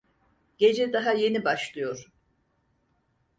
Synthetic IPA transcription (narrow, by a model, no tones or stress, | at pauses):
ɟ̥e̞d͡ʒɛd̪aɦaje̞nibaʃlˠɯjo̞ɾ̥